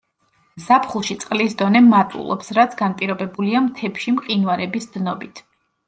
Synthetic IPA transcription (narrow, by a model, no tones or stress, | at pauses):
zapʰχulˠʃit̪sʼqʼlisd̪ɔnɛmat̪ʼṵlˠɔ̰psɾat̪sʰɡanpʼiɾɔbɛbuliamt̪ʰɛpʃimqʼinwaɾɛbisd̪nɔbit̪ʰ